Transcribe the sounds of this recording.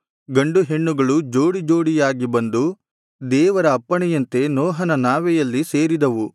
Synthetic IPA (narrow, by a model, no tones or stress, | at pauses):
ɡɐɳɖuɦe̞ɳːuɡɐɭud͡ʒo̞ːɽid͡ʒo̞ːɽijaːɡibɐnd̪u | d̪ɛːʋɐɾɐːpːɐɳɛjɐnt̪e̞nɔːɦɐnɐnaːʋɛjɐlːise̞ːɾid̪ɐʋu